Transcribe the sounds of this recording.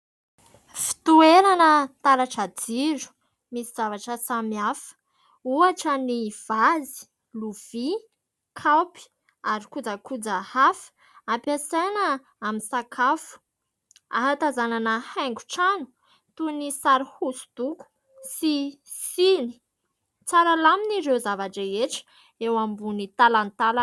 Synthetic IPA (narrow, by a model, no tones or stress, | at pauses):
fi̥t̪ueɾanət̪aɾaʈ͡ʂad͡ziɾu̥ | misiz̥avaʈ͡ʂəsamiafə̥ | uaʈ͡ʂəniv̥azi̥ | luv̥i | kʰawpi̥ | aɾikud͡zakud͡zahafə̥ | ampasenə | aminsakʰafu̥ | a̰ɦat̪azananəhaŋɡu̥ʈ͡ʂanu̥ | t̪unisaɾihusu̥d̪̥uku̥ | si | sini̥ | t͡saɾalaminiɾewzavaʈ͡ʂaeʈ͡ʂə̥ | ewambunit̪alant̪al